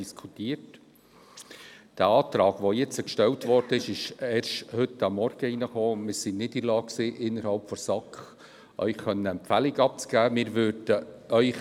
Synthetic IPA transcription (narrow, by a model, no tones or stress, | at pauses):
iskʰutiːət | d̥əɑːt̪ɾɑːɡʋojɛt͡səkʃtɛltʋɔrdəɪʃɪʃɛːɾʃthʏtɑmːɔɾɡ̥əinəχoːʊndmɪːɾsinnːidəlɑːkksiːʔɪnːəɾhɑlpfɔsɑkχ | ʔœ̰ʏxxœnːəɛmpfælɪɡɑp̚t͡sɡ̥æːmɪːɾʋøːɾd̥əœʏ